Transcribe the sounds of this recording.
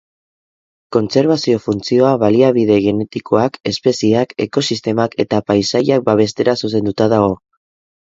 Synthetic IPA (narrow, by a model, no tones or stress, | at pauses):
ko̞nt͡se̞ɾβasio̞funt͡sio̞aβaliaβiðe̞ɣ̞e̞ne̞t̪ikʰo̞ake̞spe̞siake̞ko̞sist̪e̞make̞t̪apajsajak̚baβ̞e̞st̪e̞ɾasus̬e̞nd̪ut̪aðaɣo̞